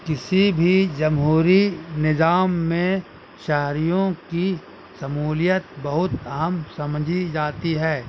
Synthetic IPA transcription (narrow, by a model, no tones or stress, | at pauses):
kɪsibʱid͡ʒɐmɦuːɾinɪzaːmːẽ | ʃɛɦɾijõki | sɐmuːlɪjət̪bɐɦʊt̪ɐɦəmsɐmd͡ʒʱid͡ʒaːt̪iɦɛː